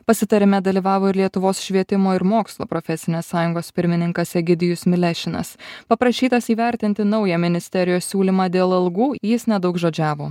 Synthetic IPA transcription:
pɐsʲɪt̪ɐɾʲɪmʲɛd̪ɐlʲiːʋɑːʋoːɪɾlʲiɛt̪ʊʋoːsʃʲʋʲiɛt̪ʲɪmoːɪɾmoːkslˠo̰ːpɾɔfʲɛsʲɪnʲeːsɑːjʊŋɡoːspʲɪɾʲmʲɪnʲɪŋkɐsʲɛɡʲɪd̪ʲɪjʊsmʲɪlʲɛʃʲɪnɐ̰spɐpɾɐʃʲiːt̪ɐsiːʋʲɛɾʲt̪ʲɪnʲt̪ʲɪnɒʊjɛmʲɪnʲɪsʲt̪ʲɛɾʲɪjoːssʲuːlʲimɑːd̪ʲeːlˠɐlˠɡuːjɪsnʲɛd̪ɒʊkʒoːd͡ʒʲæːʋoː

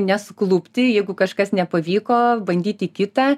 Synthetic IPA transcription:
nʲɛsʊklˠʊpʲt̪ʲɪjɛɪɡʊkɐʃkɐsnʲɛpɐʋʲiːkoːbɐnʲd̪ʲiːt̪ʲɪkʲɪt̪ɑː

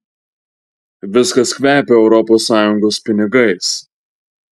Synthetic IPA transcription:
ʋʲɪskɐskʲʋʲæːpʲeɛʊɾɔpoːsːɑːjʊŋɡoːspʲɪnʲɪɡɐɪs

